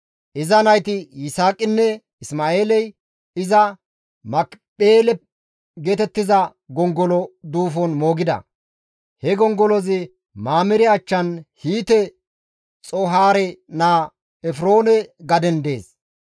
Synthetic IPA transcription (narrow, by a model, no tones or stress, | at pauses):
ʔɪzɐnɐjt̪ɪjɪsaːkʼːɪnːɛ | ɪsmaːe̞ːlɛj | ɪzɐ | mɐkpʼeːlɛ | ɡeːt̪ɛt̪ːɪzɐ | ɡɔŋɡɔlɔd̪uːfɔnmoːɡɪd̪ɐ̰ | hɛɡɔŋɡɔlɔzɪ | maːmɪɾɪɐt͡ʃːɐnhiːt̪ɛ | t͡sʼoɦaːɾɛnaː | ɛfɾo̞ːnɛɡɐd̪ɛnd̪e̞ːs